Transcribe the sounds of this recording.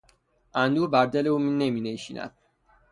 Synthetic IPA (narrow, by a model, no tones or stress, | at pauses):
ʔænd̪uːbæɾd̪eleuminːemineʃḭːnʔæ̰d̪̥̚